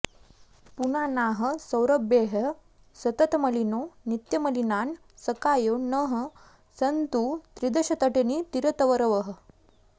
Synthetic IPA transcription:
punanaɦə̆səwɾəbjeɦə | sɐt̪ət̪məlinonit̪jəməlinan | səkajonəɦə | sənt̪ut̪ɾid̪əɕɐt̪əʈenit̪iɾət̪əʋəɾəʋəɦə

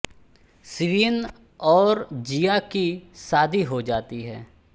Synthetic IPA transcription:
sɪʋiːn | ɔːɾd͡ʒijakisaːd̪ʱiɦod͡ʒaːt̪iɦɛː

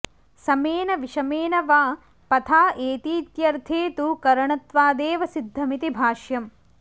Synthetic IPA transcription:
sɐmeːnɐʋiʂɐmeːnɐʋaː | pɐt̪ʰaːʔeːt̪iːt̪jɐɾt̪ʰeːt̪ukɐɾɐɳɐt̪ʋaːd̪eːʋɐsid̪ʱːɐmit̪ibʱaːʃjɐm

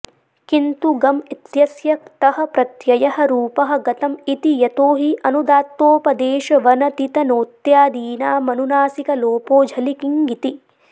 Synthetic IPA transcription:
kint̪uɡɐmit̪jɐsjɐk̚t̪ɐɦɐ̆pɾɐt̪jɐjɐhɐ̆ɾuːpɐɦɐ̆ɡɐt̪ɐmit̪ijɐt̪oːɦiʔɐnud̪aːt̪ːoːpɐd̪eːʃɐʋɐnɐt̪it̪ɐnoːt̪jaːd̪iːnaːmɐnunaːsikɐloːpoːd͡ʒʱɐlikiŋɡit̪i

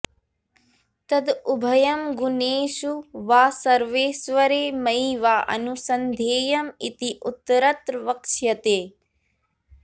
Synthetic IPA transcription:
t̪ɐd̪ubʱɐjɐmɡuneːʃuʋaːsɐɾʋeːsʋɐɾeːmɐjiʋaːʔɐ̰nusɐnd̪ʱeːjɐmit̪iʔut̪ːɐɾɐt̪ɾʋɐkʃjɐt̪eː

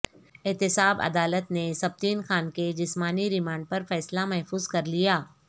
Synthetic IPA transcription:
ɪɦt̪ɪsaːbɐ̰d̪aːlət̪nesɐb̚t̪iːnxaːnked͡ʒɪsmaːniɾɪmãːɳɖ̚pɐɾfɛːslamɛɦfuːzkɐɾlijaː

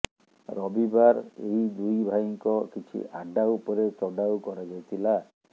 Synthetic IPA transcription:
ɾɔbibaɾeid̪ujbʱaŋkɔkit͡ʃʰḭʔaɖaupɔɾet͡ʃɔɖawkɔɾad͡ʒajt̪ʰila

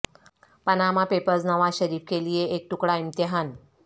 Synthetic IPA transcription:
pənamapepəɾd͡znəʋaɕəɾiːfkelijeʔek̚ʈukɽaimt̪əɦan

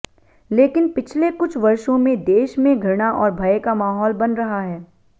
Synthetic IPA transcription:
leːkɪnpɪt͡ʃʰlekʊt͡ʃʰʋɐɾʃõmẽd̪eːʃmẽɡʱɐɾɽ̃aʔɔːɾbʱɐekamaːɦɔːlbɐnɾɐɦaɦɛː

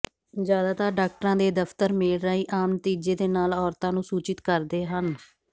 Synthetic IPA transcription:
zjaːd̪aːt̪aːɾɖaːk̚ʈəɾãːd̪eːd̪əft̪əɾmɪːlɾəiːʔaːmnət̪iːd͡ʒeːd̪eːnaːlɔːɾt̪ãːnũːsuːt͡ʃɪt̪kəɾd̪eːɦən

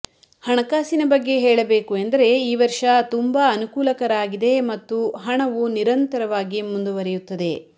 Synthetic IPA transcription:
hɐɳɐkaːsinɐbɐɡːe̞ɦɛːɭɐbeːkuend̪ɐɾe̞iːʋɐɾʂɐt̪umbaɐnukuːlɐkɐɾaːɡid̪e̞mɐt̪ːuɦɐɳɐʋuniɾɐnt̪ɐɾɐʋaːɡimund̪uʋɐɾɛjut̪ːɐd̪e̞

